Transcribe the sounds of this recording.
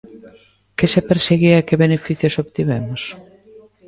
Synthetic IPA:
kesepeɾseɣiɐkeβenefiθjosoβt̪iβɛmʊs

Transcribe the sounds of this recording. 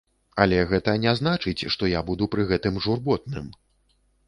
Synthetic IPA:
ɐlʲɛɣɛt̪ɐnʲɛznat͡ʂɨt͡sʲʂt̪ɔjabud̪upɾɨɣɛt̪ɨmʐurbɔt̪̚nɨm

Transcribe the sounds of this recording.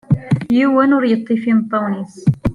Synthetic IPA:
jiwænʊɾjət̪ˤːifimt̪ˤːunis

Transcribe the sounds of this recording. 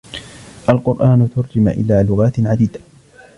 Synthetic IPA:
ʔalqʊɾʔaːnʊt̪ʊɾd͡ʒɪmʔɪ̰laːlʊɣaːt̪ʕad̪iːd̪a

